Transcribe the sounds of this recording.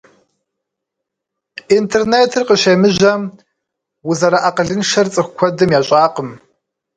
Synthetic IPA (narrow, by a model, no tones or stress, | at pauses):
intʰerneːtʰɨrqəʃeːmɨʑɐm | wʊzɐɾɐʔaqəɮɨnʃɐrt͡sʼɨxʷkʷʰɔdɨmjaːɕʼaːqəm